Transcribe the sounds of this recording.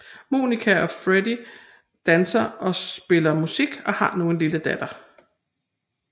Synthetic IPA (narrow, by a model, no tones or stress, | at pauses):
mṵːnikʰæɒ̽fʁedi | d̥ænsɐʔɒ̽sb̥e̝lɐmusiɡ̥ɒ̽hɑ̈no̝ːn̩liləd̥æd̥ɐ